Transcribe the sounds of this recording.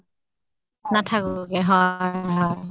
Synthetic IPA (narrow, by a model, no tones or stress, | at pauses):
natʰakʊɡɛɦɔjɦɔj